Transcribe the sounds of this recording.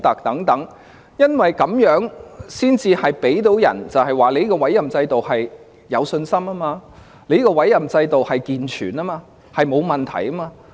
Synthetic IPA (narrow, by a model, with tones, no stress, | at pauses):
t̪ɐ˨˩k̚t̪ɐ˨˥ŋt̪ɐ˨˥ŋ | jɐ˥nwɐ˨jkɐ˨˥mjœː˨˥ŋsiː˥nt͡siː˧hɐ˨jpe˨˥jt̪o˨˥wjɐ̰˨˩nt͡sɐ˨whɐ˨˩jwaː˨˧le˨˧jkɔ˧wɐ˨˥jɐ˨mt͡sɐ˧jt̪o˨whɐ˨j | jɐ˨˧wsɵ˧nsɐ˥maː˥maː˧ | le˨˥jkɔː˧wɐ˨˥jɐ˨mt͡sɐ˧jt̪o˨whɐ˨jkiː˨nt͡ʃʰyː˨˩naː˥maː˧ | hɐ˨jmo˨˧wmɐ˨nt̪ʰɐ˨˩jɐ˥maː˧